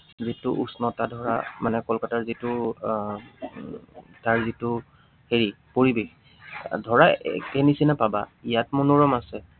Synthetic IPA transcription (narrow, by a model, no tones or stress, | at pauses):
zitʊʔusnɔtadʱɔɹa̰manɛkɔlkataɹzitʊ | taɹzitʊ | heɹi | poɹibex | dʱɔɹaɛ̰kɛnisinapabaijatmunuɹɔmasɛ